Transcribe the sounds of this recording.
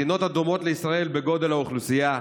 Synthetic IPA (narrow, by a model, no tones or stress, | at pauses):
ino̞t̪ad̪omo̞t̪leisʁae̞lbe̞ɡo̞d̪e̞lhauχlusija